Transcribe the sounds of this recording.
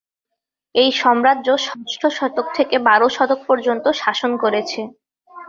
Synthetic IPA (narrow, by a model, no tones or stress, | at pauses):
ejʃɔmɾadːʑoʃɔsʈʰoʃɔt̪ok̚t̪ʰekebaɾoʃɔt̪ok̚poɾd͡ʑont̪oʃaʃonkoɾet͡ɕʰe